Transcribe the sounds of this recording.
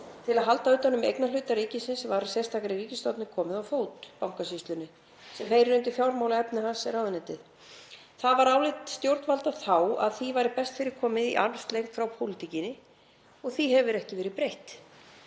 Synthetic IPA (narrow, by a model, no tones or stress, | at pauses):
t̪ʰɪlaðɦalt̪aʏːt̪anːʏmḛjknalʏːt̪aɾiːcɪsɪnsvaɾsɛ̥st̪ʰaːkaɾiriːcɪst̪ɔt̪nɪkʰɔːmɪðawfoːwt̪pawŋkasist̪lʏnɪ | sɛmhejɾɪnʏnt̪̬ɪfjawɾmawlaɛpnɪhansɛɾawðʏnɛjt̪ɪð | θaðvaɾaːwlɪt̪st̪jowɾt̪valt̪aθaːwa̰ðθivaːjɾɪpɛst̪fɪːɾɪɾ̥kʰɔːmɪðḭʔa̰nst̪lejxt̪fɾawpʰowlɪt̪ʰicɪnɪ | ɔɣθiɦɛvʏɾɛhcɪvɛːɾɪpɾejht̪